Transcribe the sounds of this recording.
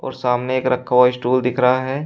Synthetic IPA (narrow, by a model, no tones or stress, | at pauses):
ɔ̰ːɾsaːmneeːkɾɐkʰːʋaisʈuːld̪ɪkʰɾaaɦɛː